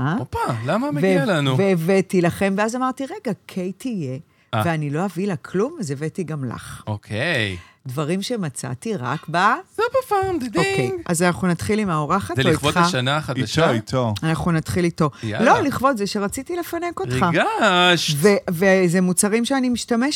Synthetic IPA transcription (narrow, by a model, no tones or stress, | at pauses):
aopalamameveelanuveːvetilaχe̞mveazamaʁt̪iʁe̞ɡakʰejtʰije̞ | aveanilo̞avilakʰlumaze̞vetiɡamla̰χokʰej | dvaʁimʃe̞mat͡sa̰tiʁa̰kbazebafamd̪d̪oiejɡazanaχnunatχilimaoʁaχatzɛiχvoχaʃanaχadaʃit̪ʰoanaχunat̪χilito̞ja̰lo̞liχvo̞tzeʃe̞ʁat͡sitile̞fanekoʁt̪iχaɡaʃvevezemut͡saʁimʃeanimiʃtame̞ʃ